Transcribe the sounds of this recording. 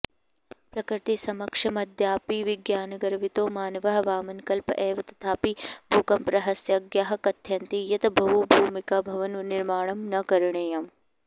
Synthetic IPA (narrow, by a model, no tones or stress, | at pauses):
pɾɐkɾɪt̪isɐmɐkʂɐmɐd̪ʱjaːpiːʋiɡjaːnɐɡɐɾʋit̪oːmaːnɐʋɐɦɐ̆ʋaːmɐnkɐlpɐʔɛːʋɐt̪ɐ̥t̪ʰaːpibʱuːkɐmpɾɐɦɐsjɐɡjaːɦɐ̆kɐt̪ʰjɐnt̪ijɐt̪ɐbʱɐɦubʱuːmikɐbʱɐʋɐnniɾmaːɳ̃ɐmnɐkɐɾɳeːjɐm